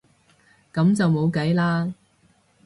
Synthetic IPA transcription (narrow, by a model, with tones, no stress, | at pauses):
kɐ˨˧˥mt͡sɐ˨wmo˨˧wkɐ˨˥jlaː˥